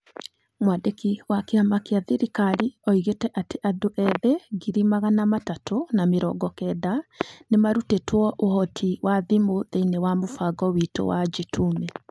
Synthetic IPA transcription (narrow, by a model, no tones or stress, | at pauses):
mwadekiwakeamakeaðiɾikaɾiɔiɣetɛʔateʔadoʔɛðɛɡiɾimaɣanamatatonameɾɔ̰ːɡɔkɛːdanemaɾutetwɔʔohɔtʰiwaðimoðeinewamofaɡɔwito̰wad͡ʒitʰumɛ